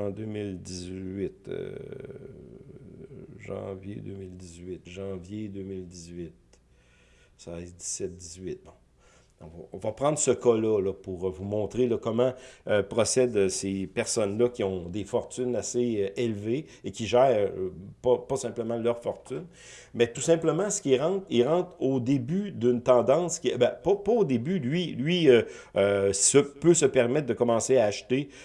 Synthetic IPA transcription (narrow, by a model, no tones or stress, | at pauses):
ɑ̃d̪ømɪld̪izɥɪt̪ø̰ | ʒɑ̰̃vjḛd̪ø̰ːmɪld̪izɥɪt̪ʒɑ̃vjed̪øːmɪld̪izɥɪt̪̚ | saɛd̪i̥sɛt̪̚d̪izɥɪt̪̚bɔ̃ | ɔ̰̃vɔ̰̃vɔpʁɑ̃d̪ʁsəkɔlʌlʌpuʁəvumɔ̃ːt̪ʁelʌkɔmãøpʁɔsɛd̪sepɛʁsɔnlʌkʲiɔ̃d̪efɔʁt̪ynaseʔelveːkʲiʒɛːʁpɔpɔsɛ̃pləmãlœʁfɔʁt̪yn | mɛt̪usɛ̃pləmãsə̥kʲiʁɑ̃t̪ilʁɑ̃t̪od̪ebyd̪ynt̪ɑ̃ːd̪ɑ̃skʲibɛpɔpɔod̪ebylɥilɥiøøsəpøsəpɛʁmɛt̪̚d̪əkɔmɑ̃seaːʃt̪e